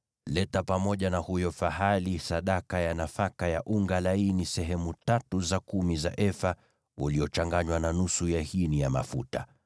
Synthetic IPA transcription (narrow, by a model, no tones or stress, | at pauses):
lɛtapamɔʄanahujɔfahalisaɗakajanafakajaʔuŋɡalainisɛɦɛmutatuzakumiza̰ʔɛfa | uliɔt͡ʃaŋɡaɲwananusujahinijama̰futa